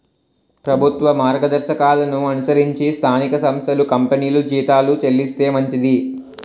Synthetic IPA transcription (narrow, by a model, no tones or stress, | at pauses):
pɾɐbʱut̪ʋɐmaːɾɡɐd̪ɐɾʃɐkaːlɐnuɐnusɐɾiɲt͡ʃist̪ʰaːnikɐsɐmst̪ʰɐlukɐmpeniːlud͡ʒiːt̪aːlut͡ʃelːist̪e̞ːmɐɲt͡ʃid̪i